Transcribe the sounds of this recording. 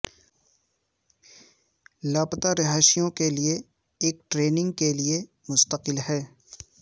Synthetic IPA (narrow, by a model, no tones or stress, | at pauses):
laːpt̪aɾɪɦaːʃijõkelie | eːk̚ʈɾeːnɪ̃ŋɡ̚kelie | mʊst̪əqɪlɦɛː